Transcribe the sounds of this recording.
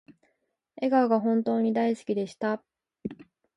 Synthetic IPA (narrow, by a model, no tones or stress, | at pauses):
e̞ɡaoɡaɦõ̞nt̪o̞ːɲ̟id̪aisɨ̥kʲid̪e̞ɕi̥t̪a